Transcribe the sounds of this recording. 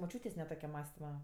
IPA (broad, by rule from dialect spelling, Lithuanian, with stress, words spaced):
moːˈt͡ʃʲuːtʲeːsʲ nʲɛ ˈtoːkʲɛ ˈmɑːsʲtʲɪmɐ